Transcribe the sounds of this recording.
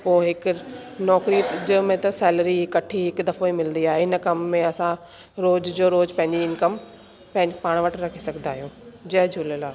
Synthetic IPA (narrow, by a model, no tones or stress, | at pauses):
poːɦɪknɔːkɾid͡ʑəmẽt̪ɐsɛːlɾiɦɪkːɐʈʰiɦɪkd̪ɐfoimɪlənd̪iaːɦeɪnəkɐmːẽɐsã | ɾoːd͡ʑd͡ʑoːɾoːd͡ʑpɐ̃ɦɪ̃ɲd͡ʑiɪnkəm | pɐ̃ɦɪ̃paːɽ̃ʋɐʈɾɐkʰisɐɡʱnd̪aːɦijũːd͡ʑɐɦd͡ʑʱuləlaː